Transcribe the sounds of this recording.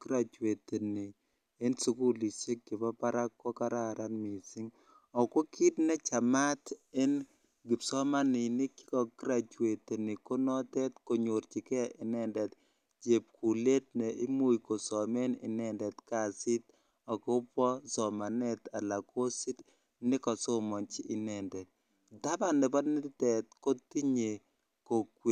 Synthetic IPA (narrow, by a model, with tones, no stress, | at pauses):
kɾa˨t͡ʃwe˨t̪e˨niː˨˦ | nsu˦ku˦li˨se˦k̚ɡɪ˨pa˦pa˦ɾa˦kːɔ˦ka˦ɾa˦ɾʔa˦nmi˨sɪ˦ŋ | ɔ˨ko˦kʰɪ˦tnɛ˦t͡ʃa˨ma˦tɛ˦n | ɡɪ˨psɔ˦ma˦nɪ˨nɪ˦ki̥˦kɔ˨kɾa˨t͡ʃwe˨te˨nɪ˨ko˦nɔ˦t̪ɛ˦t̪ko˨ɲo˨ɾt͡ʃɪ˨kɛ˦ʔɪ˨nɛ˦˨ndɛ˨t̪ | d͡ʒe˨p̚kʰu˨le˦t̚nɛ˨ʔɪ˦mo˨jko˨sɔ˨me˦nɪ̰˨nɛ˦ndɛ˨t̪ka˦˨sɪ˦t | ɔ˨kʊ˦pɔ˦sɔ˨ma˨nɛ˦t̪a˨la˨ko˦si˦t | nɪ˦kɔ˨so˦mɔ˨nt͡ʃiː˦˨nɛ˨ndɛ˨t̪̚ | da˦ba˦nɛ˨bɔ˦dnɪ˦tɪ˦tɛ˨t̪̚ko˦t̪i˦ɲe˨ | ko˨kwe˨